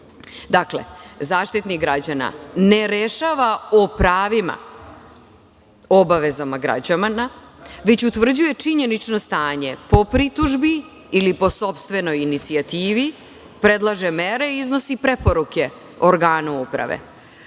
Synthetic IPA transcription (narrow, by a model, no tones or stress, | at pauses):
d̪akle̞̰zaːʃt̪it̪niɡɾad͡ʑana̰ne̞ɾeʃaʋaopɾaːʋima̰ | o̞baʋe̞zamaɡɾa̰d͡ʑamanaʋet͡ɕut̪vr̩d͡ʑuje̞t͡ʂiɲe̞nit͡ʃno̞st̪aːɲe̞po̞pɾit̪uʒbiː | lipo̞so̞pst̪ʋe̞no̞jinit̪siat̪iːʋi | pɾe̞d̪lˠaʒeme̞ɾe̞iiznosipɾe̞po̞ɾuke̞ | oɾɡaːnuupɾa̰ʋḛ